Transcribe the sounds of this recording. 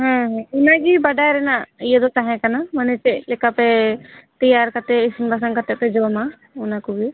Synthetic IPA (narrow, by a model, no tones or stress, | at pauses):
ɦɛ̃ɦɛ̃unaɡibəɖajɾɛnaʔijɛd̪ɔt͡ʃaɦɛ̃kanamənɛt͡ʃɛʔlɛkapɛt̪ijaɾkat̪ɛismbʱas̬aŋkat̪ɛpɛd͡ʒɔma | unakuɡi